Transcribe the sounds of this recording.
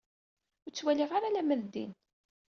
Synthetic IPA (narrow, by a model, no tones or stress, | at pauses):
ʊɾt͡sːwæliʁaɾalæmæðd̪ḭn